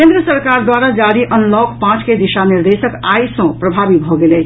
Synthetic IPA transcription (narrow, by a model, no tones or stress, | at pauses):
kẽnd̪ɾiəsəɾkaɾd̪waɾad͡ʒaɾiʔənlɔkpãt͡ʃked̪isaniɾd̪esəkajsə̃pɾəbʱabibʱɔɡelɛ